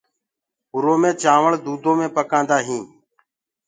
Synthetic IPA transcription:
ɦʊɾoːmẽːt͡ʃaːʋəɭd̪uːd̪ʱoːmẽːpəkãːnd̪aːɦĩː

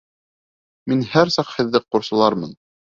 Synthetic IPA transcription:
minhæɾsɑqhɘ̆ðːɘq̚ːuɾsɤ̆lˠɑɾmɤ̰n

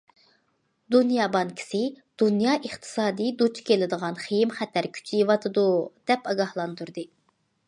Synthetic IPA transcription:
d̪unjɑːbɑŋkʲʰi̥sɪ | d̪̥unjɑːʔəχt̪ʰɨ̥sɑːd̪ijd̪ut͡ʃʰkʲʰelɪd̪əʁɑnχejimχɛt̪ʰæɾkʲʰy̥t͡ʃʰivɑt̪ʰɨd̪ud̪̥ɛpɑɡɑhlˠɑnd̪uɾd̪ɨ

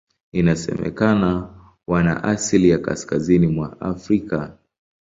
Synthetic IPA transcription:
inasɛ̰mɛ̰kana | wana̰ʔasilijaka̰skazinimwaa̰fɾika

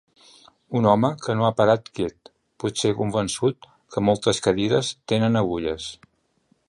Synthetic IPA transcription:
unɔməkənoapəɾat̪kɛt̪̚ | put̪sekumbənsut̪̚ | kʰəmɔlˠt̪əskəðiɾəst̪enənəɣuʎəs

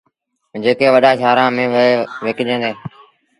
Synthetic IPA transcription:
d͡ʒeːkeːʋəɗaːʃʰaːɾãːmẽːeːʋeːkd͡ʒẽːd̪eː

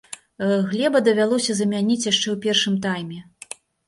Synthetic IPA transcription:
ɣlʲɛbɐd̪ɐvʲalˠɔsʲɐzɐmʲanʲit͡sʲjaʂt͡ʂɛwpʲɛrʂɨmt̪̬ajmʲɛ

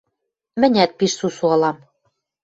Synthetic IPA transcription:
mɘ̆nʲæt̪̚piʃsusuɑlɑm

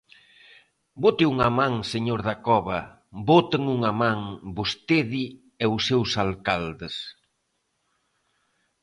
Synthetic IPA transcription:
bot̪ɪuŋamãŋseɲoɾðɐkɔβɐ | bot̪ɪŋuŋɐmãŋbost̪eði | ɛusːewsalkald̪ɪs

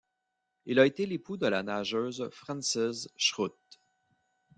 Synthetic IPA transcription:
ilaet̪elepud̪əlanaʒøːzfʁɑ̃nsɪzʃʁut̪̚

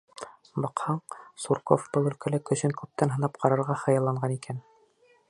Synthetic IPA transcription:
bɤqhɑɴsuɾko̰fbɤlˠɵ̆lkælɘkɵ̆ɕɘŋkʉp̚t̪ænɦɤ̆nɑp̚qʰɑɾɑɾʁɑχɤ̆jɑlˠːɑɴɢɑnikʰæn

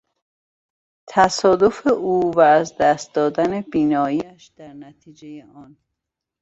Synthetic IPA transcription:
t̪ʰæsɒːd̪o̞fe̞ʔuːvæːzd̪æst̪̚d̪ɒːd̪æne̞biːnɒːiːæʃd̪æɾnæt̪ʰiːd͡ʒejeʔɒn

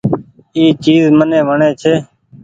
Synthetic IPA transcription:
iːt͡ʃiːzmənẽːʋəɳeːt͡ʃʰeː

